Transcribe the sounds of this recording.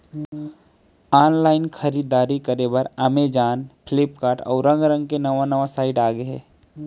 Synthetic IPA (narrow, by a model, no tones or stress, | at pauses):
aːnlaːɪnkʰəɾiːd̪aːɾikəɾebəɾamed͡ʒaːnpʰɪlɪpkaːɾʈɔ̰ːɾə̃ŋɡɾə̃ŋɡ̚kenɐʋanɐʋasaːɪʈaːɡeɛː